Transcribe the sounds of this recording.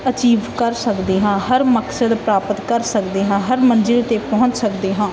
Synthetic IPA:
ət͡ʃiːʋkəɾsəkd̪eːɦãːɦəɾməksəd̪pɾaːpət̪kəɾsəkd̪eːɦãːɦəɾmənd͡ʒɪlt̪eːpɔɦʊ̃ɲt͡ʃsəkd̪eːɦãː

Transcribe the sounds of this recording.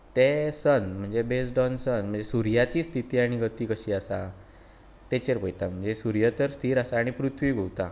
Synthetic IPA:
t̪esənm̤əɳd͡zebesɖɔnsənm̤əɳd͡zesuɾjat͡ɕiːst̪ʰit̪iːaɽ̃iɡət̪iːkəɕiːasa | t̪et͡ɕeɾpəjt̪am̤əɳd͡zesuɾjət̪əɾst̪ʰiːɾasaːɽ̃ipɾut̪ʰʋiːɡʱowt̪a̰

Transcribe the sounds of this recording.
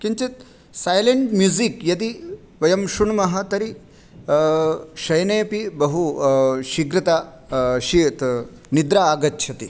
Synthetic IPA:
kiɲt͡ʃit̪̚ | saːjleɳʈmjuːzikjɐt̪i | ʋɐjɐmʃuɳmɐɦɐ̆t̪ɐɾi | ʃɐjnɐjɐpibɐɦuʃiɡɾit̪aː | ʃit̪ | nid̪ɾaaːɡɐtːʃʰɐt̪i

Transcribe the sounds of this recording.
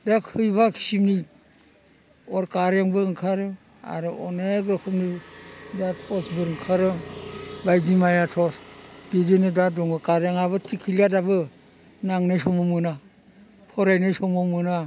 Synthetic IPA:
dakʰɯjbakʰi̥simni | ɔɾkaɾjaŋbɯɾɯŋkʰaɾɯ | a̰ɾɯɔnekɾɔkʰɯmnidatʰɔsbɯɾɯŋkʰaɾɯ | bajdimajatʰɔsbidenɯdadɔŋɡɯkaɾjaŋabɯtʰikʰiljadabɯ | naŋnajsɔmɔmɯna | pʰɔɾajnajsɔmɔmɯna

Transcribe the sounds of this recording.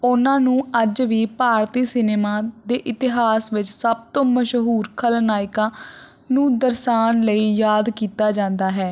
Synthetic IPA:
ʊnãːnũːəd͡ʒʋiːpaːɾt̪iːsɪneːmaːd̪eːʔɪt̪ɪɦaːsʋɪt͡ʃsəb̚t̪õːməʃɦuːɾkʰəlnaːɪkãː | nũːd̪əɾʃaːnləiːjaːd̪kiːt̪aːd͡ʒãːnd̪aːɦɛː

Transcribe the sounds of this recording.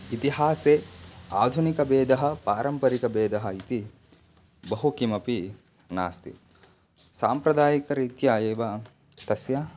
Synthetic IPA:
it̪iɦaːseːaːd̪ʱunikɐbeːd̪ɐɦɐ̆paːɾɐmpɐɾikɐbeːd̪ɐɦɐit̪i | bɐɦukimɐpi | na̰ːst̪ḭ | saːmpɾɐd̪aːjikɐɾiːt̪jaːjeːʋɐ | t̪ɐsjɐ

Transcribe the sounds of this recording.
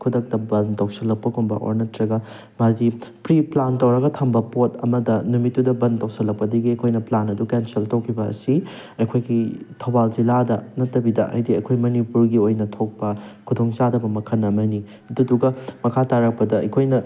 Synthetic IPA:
kʰudɐk̚tɐbɐntɐwsɐlːɐk̚pɐɡombɐ̰ʔo̰ɾnɐtɾɐɡɐ | mazipɾiplantɐwɾɐɡɐtʰɐmbɐpotɐmɐdɐnumitːudɐbɐntɐwsɐlɐk̚pɐdɐɡiɐjkʰojnɐplanɐdukensɐltowkʰibɐ̰ːsi | ɐjkʰojɡitʰobalziladɐnɐtːɐbidɐʔɐ̰jdiɐ̰jkʰojmɐnipuɾɡiojnɐtʰok̚pɐkʰudoŋt͡ʃadɐbɐmɐkʰɐnːɐmɐni | ɐduduɡɐmɐkʰataɾɐk̚pɐdɐɐ̰kʰojnɐ

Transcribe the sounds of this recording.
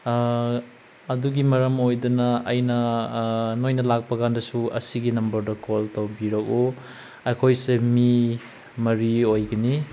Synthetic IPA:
ɐduɡimɐɾɐmojdɐnɐːjnɐ | nojnɐlak̚pɐɡandɐsuɐ̰siɡinɐmbɐɾdɐkoltɐwbiɾɐk̚u | ekʰojsemi | mɐɾiojɡɐni

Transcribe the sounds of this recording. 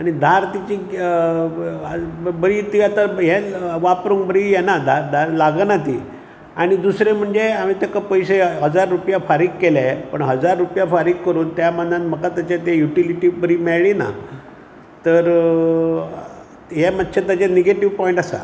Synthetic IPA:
aɽ̃id̪ʱaɾt̪it͡ɕi | bəɾit̪iat̪aɦɛʋapɾuŋkbəɾijɛnad̪ʱaɾd̪ʱaɾlaɡənat̪ḭː | aɽ̃id̪usɾem̤əɳd͡zeam̤it̪ekəpəjseɦəd͡zaɾːupjafaɾiːkkːelepəɳɦəd͡zaɾːupjafaɾiːkkːəɾuːnt̪jamənd̪ãt̪m̤əkat̪at͡ɕat̪ejuʈiliʈiʋbəɾiːmɛɭɭina̰ | t̪əɾ | ɦemad̪ɕʰet̪at͡ɕaneɡeʈiʋpɔiɳʈasa̰

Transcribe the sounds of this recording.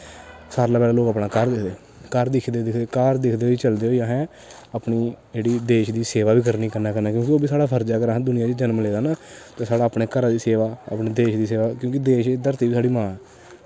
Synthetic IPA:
saːɾlaːpɛːlaːloːkaːpnaːkəɾd̪ɪkʰd̪eː | kəɾd̪ɪkʰd̪eːd̪ɪkʰd̪eːkəɾd̪ɪkʰd̪eːoiːt͡ʃəld̪eːɦoːjaːɦɛ̃ː | aːpniːd͡ʒeːɽiːd̪eːʃd̪iːseːʋaːbiːkəɾniːkəɾnaːkənaːkjõːkioːbiːsaːɽaːpʰəɾd͡ʒaːkəɾaːɦd̪ʊnɪjaːd͡ʒiːd͡ʒənmleːd̪aːnaːt̪eːsaːɽaːpneːkəɾaːd̪iːseːʋaːa̰ːpneːd̪eːʃd̪iːseːʋaːkjõːkɪd̪eːʃed̪əɾt̪iːiːsaːɽiːmãː

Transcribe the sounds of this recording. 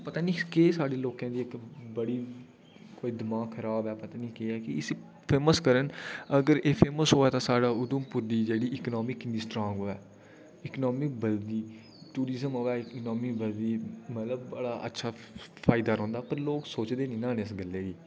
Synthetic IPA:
pət̪aːniːkeːsaːɖeːloːkãːd̪iːɪkbəɽiː | koːiːd̪ɪmãːɡkʰːəɾaːbɛːpət̪aːnĩːkeːɛːkɪɪs | pʰeːməskəɾənəɡəɾeːpʰeːməsɦoːɛːt̪ãːsaːɖaːʊd̪ʊmpʊɾd̪iːd͡ʒeːɽiːɪknɔːmɪkniːsʈɾɔ̃ːŋɡoːɛː | ɪknɔːmɪk̚bəld̪iː | ʈuːɾizəmɦoːɛːɪknɔːmiːbəld̪iːmət̪ləbːəɽaːʔə̰tːʃʰaːpʰaːɪd̪aːɾõːnd̪aːpəɾloːksoːt͡ʃd̪eːnĩːnaːnẽɪsɡəlːeːd͡ʒiː

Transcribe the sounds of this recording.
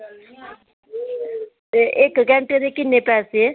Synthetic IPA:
ʔekɡɛ̃ɳʈed̪ekɪnːepɛːsee

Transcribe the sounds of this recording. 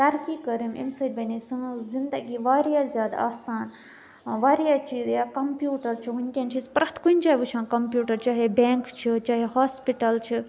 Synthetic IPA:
t̪ɐɾkikəɾimḭmsɐɾʲbɐnisɨ̃zind̪əɡiʋaːɾjaːzʲjaːd̪aaːsaːn | ʋaːɾjat͡ʃiːzjakɐmpjuːʈɐɾt͡ʃʰiɦunʲkʲent͡ʃʰispɾɐt̪kunʲt͡ʃaːɦʋut͡ʃʰãːnkɐmpjuːʈɐɾt͡ʃaːɦebeːŋkt͡ʃʰit͡ʃaːɦehaːspiʈɐlt͡ʃʰi

